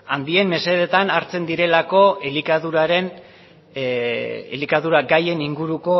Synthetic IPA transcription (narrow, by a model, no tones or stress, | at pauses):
and̪ie̞mmːe̞se̞ðe̞t̪anaɾt͡se̞nd̪iɾe̞lako̞elikaðuɾaɾe̞n | ḛlikaðuɾaɡaje̞niŋɡuɾuko̞